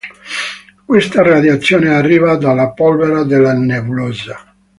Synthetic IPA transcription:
kwest̪arad̪jat̪sːjoːnearːiːvad̪alːapɔlveɾad̪elːanevuloːza

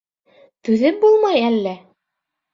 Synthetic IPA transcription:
t̪ʉðɘp̚bulˠmɑjælːæ

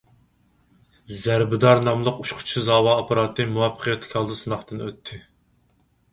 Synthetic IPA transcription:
zæɾbɪd̪ɑɾnɑmlˠəquʃqʰʊ̥t͡ʃʰizɑːwɑːpʰɑɾɑt̪ʰːɨmuwɑpʰə̥qʰjɛt̪ʰːɪ̥kʲʰɑlˠd̪ɨsɨnɑχt̪ɨnøt̪ʰːɪ

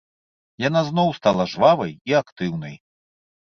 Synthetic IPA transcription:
jan̪aznɔwst̪alˠɐʐvavɐjiakt̪ɨwn̪ɐj

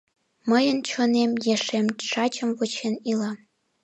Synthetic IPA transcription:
məjə̆nt͡ɕŏnemjeʂemʂɑt͡ɕə̆mvŏt͡ɕʰenilɑ

